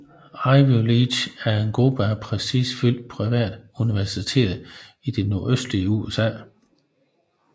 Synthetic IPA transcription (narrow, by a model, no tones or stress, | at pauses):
ɑɪʋoliɕæɐe̝nɡ̥ʁub̥əæpʰʁɛsḭːsfyl̰d̥̚pʰʁiʋɛ̰ːd̥uniʋæɐsit͡sʰe̝̰ːdð̩ˠ | id̥e̝no̝ɐøsd̥liəuesɛ̰ː